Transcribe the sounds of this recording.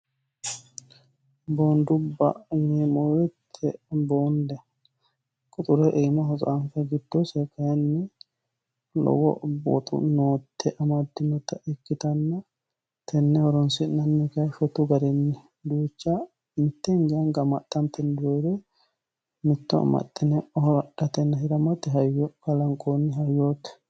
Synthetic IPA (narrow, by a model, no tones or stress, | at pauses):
bond̪ʊbːɐ̰ɪnɛmɔwɛt̪ʰːɛbɔnd̪ɛ | kʼʊt̪ʼʊɾɛʔejmɐɦɔzʼɔʔɐnfɐɡɪd̪ːɔsɛkʼːɐjɐnːɛ | lɔ̰wɔ̰bo̰t̪ʼʊ̰noːt̪ʰːɛʔɐmad̪ːɪmːɛt̪ːɐʔɛkːɪt̪ɐnːɐ | t̪ɛnːɛhɔɾɔnsɪnɐnːɪkɐjʃɔt̪ːʊɡɐɾɛnːɪ | d̪uːt͡ʃːɐ | mɪt̪ːɛŋɡɐŋɡɐmɐt̪ʼːɐmt̪ɛnd̪ɾod̪ɛ | mɪt̪ːɔɐ̰mɐ̰t̪ʼːɪnɛhɔɾɗɐt̪ɛnːɐhɪɾɐmɐt̪ːɛɦɐjkɐlɐŋkʼonːɪɦɐjːoːt̪ː